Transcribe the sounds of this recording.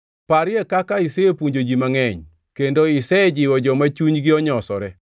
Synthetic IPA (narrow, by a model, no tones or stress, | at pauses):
paɾɪɛkakaɪseepuɲd͡ʒod͡ʒimaŋɛɲ | kendoɪsɛd͡ʒɪwɔd͡ʒɔmat͡ʃuɲɡɪɔɲɔsɔɾɛ